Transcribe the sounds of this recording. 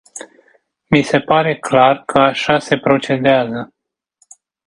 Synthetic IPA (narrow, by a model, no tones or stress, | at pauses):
mise̞paɾe̞klarkʰəaʃase̞pɾo̞t͡ʃe̞d̪eazə